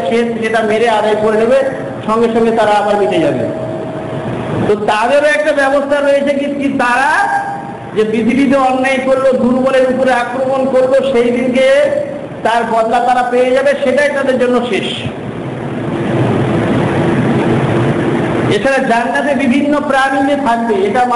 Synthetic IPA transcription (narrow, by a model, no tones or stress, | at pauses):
ʃeʃʃeʈameɾead̪ajkoɾenebe | ʃɔŋɡeʃɔŋɡet̪aɾaabaɾmit̪ʰed͡ʑabḛ | t̪ot̪ad̪eɾoɛk̚ʈabɛbost̪ʰaɾojet͡ɕʰekikit̪aɾa | d͡ʑebɾid̪ʱibid̪oɔnːajkoɾlod̪ʱuɾboleɾupoɾeakɾomonkoɾloʃejd̪inke | t̪aɾbɔd̪lat̪aɾapejed͡ʑabeʃeʈajt̪ad̪eɾd͡ʑonːoʃeʃ | et͡ɕʰaɾad͡ʑanːat̪̬ebibʱinːopɾaniniet̪ʰak̚beeʈam